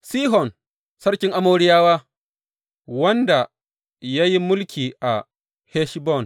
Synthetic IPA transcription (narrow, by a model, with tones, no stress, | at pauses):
siː˦ɦɔ˨n | sɐ˦ɽkʲɪ˦ŋʔa˦moː˦ɽɪ˦jaː˦waː˦ | wɐ˦nda˨ | ja˦ji˦mʊ˦lkʲʰiː˨ʔa˨ | heː˦ʃbɔ˦˨n